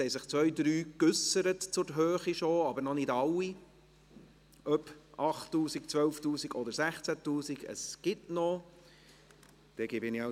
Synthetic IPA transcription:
hɛjsɪχt͡sʋœjd̪ɾyːkʏsəɾətt͡sʊɾɦøːχiʃoɑbəɾnɔnɪdɑlːi | ʔœpʔɑχtːuːsik̚t͡sʋœlftuːsiɡɔd̪əɾsæχt͡sætuːsiɡə̰sɡ̥ɪtnɔ | d̥ɛɡ̥ɪbɪnia

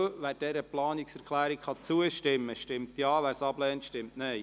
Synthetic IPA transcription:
ʋæːɾd̥ɛɾəplɑːnɪksɛɾkʰlæːɾikχɑt͡suəʃtɪmːəʃtɪmtjɑːʋæːɾsɑblɛːntʃtɪmtne

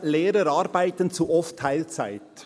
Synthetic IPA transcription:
leːɾəɾɑɾbaɪtənt͡suʔɔftʰːaɪlt͡sa̰ɪt

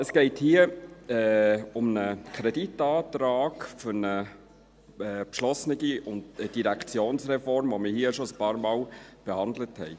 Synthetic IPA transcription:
əsɡ̥ɛɪthiəɛʊmnəkʰɾeditɑːtɾaːɡfʏɾnə | ɛːpʃlɔsnɪɡiʊndd̥iɾækʰt͡sjoːnsrɛfɔɾmʋomiɦiːʃoəspɑːɾmɑːlb̥ehɑnd̪ləthɛ̰ɪ

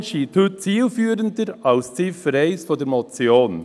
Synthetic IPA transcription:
ʃiːtʰuːtt͡siːlfyːɾəndəɾɑlst͡siːffəɾɛɪsfɔdɛɾmɔt͡sjoːn

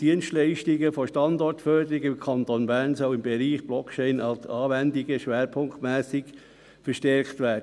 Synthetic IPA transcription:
d̥iənstlɛɪʃtɪɡəfoʃtɑndɔrtfœɾdəɾɪɡɪmkʰɑntonbæːɾnsœʊɪmbɛɾiːχb̥lɔkʰt͡ʃɛɪnɑlsɑːʋændɪɡəʃʋɛːɾpʰʊŋktmæːsɪɡ | fəɾʃtɛɾktʋæːɾd

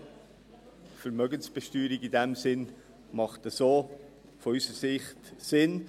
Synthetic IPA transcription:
fəɾmœɡənsb̥ɛʃtyːɾiɡɪdɛmsɪn | mɑχtəsoː | fɔysəsɪχtsɪn

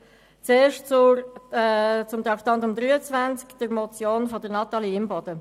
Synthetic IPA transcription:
t͡seːɾʃtt͡sʊ | t͡sʊmt̪ɾɑkt̪ɔntʊmd̪ɾyːət͡svænt͡skd̥əɾmɔt͡sjoːnfodənɑt̪ɑliɪmbɔd̥ə

